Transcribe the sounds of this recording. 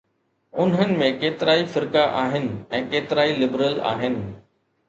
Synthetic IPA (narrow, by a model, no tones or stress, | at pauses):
ʊnɦənɪ̆mẽkeːt̪ɪɾaːifɪɾkaʔaːɦɪnɪ̆ɛ̃ːkeːt̪ɪɾaːilɪbɾəla̰ːɦɪnɪ̆